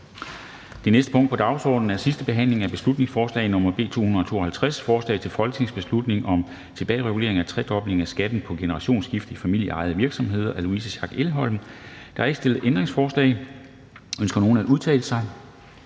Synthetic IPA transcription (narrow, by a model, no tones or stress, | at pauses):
d̥e̝nesd̥ə̥pʰɔ̽ŋ̰d̥̚pʰɒ̽d̥ɑ̈ʊsɒ̰ːd̥n̩æɐsisd̥əb̥e̝ɦæn̰le̝ŋæb̥e̝slud̥ne̝ŋsfɒːslɛ̰ɪnɔ̽mɐb̥e̝̰ːt͡sʰo̝̰ːhunð̩ˠɒ̽t͡sʰo̝̰ːɒ̽hælt͡sʰʁasfɒːslɛ̰ɪt͡sʰe̝lfɒ̽lɡ̥t͡sʰe̝ŋsb̥e̝slud̥ne̝ŋʔɒ̽m | t͡sʰe̝b̥ɛ̰ːɪʁɛɡule̝̰ɐeŋæt͡sʰʁɛd̥ɒ̽b̥le̝ŋæsɡ̥æd̥n̩pʰɒ̽ɡ̥e̝nəʁɑ̈ɕo̝̰ːnsɡ̥ifd̥ifæmil̰jəɑ̈ɪð̞̩ˠʋiɐɡ̥sɒ̽mɦe̝ð̞̰ˠɐʔæluisəɕɑ̈ɡ̥elɦɒ̽l̰m̩d̥ɑ̈æɐe̝ɡ̥əsd̥e̝lð̩ˠʔend̥ʁe̝ŋsfɒːslɛ̰ɪ | ønsɡ̥ɐno̝ːn̩æduð̞ˠt͡sʰɛ̰ːləsɑ̈ɪ